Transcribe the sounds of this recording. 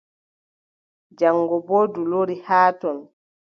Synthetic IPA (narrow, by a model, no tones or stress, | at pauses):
d͡ʒaŋːɡɔbɔːduloɾihaːtɔn